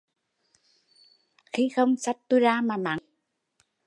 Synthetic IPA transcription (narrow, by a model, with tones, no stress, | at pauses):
xi˧˦xə˧wŋ͡msa˦˥t̚t̪u˧˦zaː˧maː˨˩ma˨˦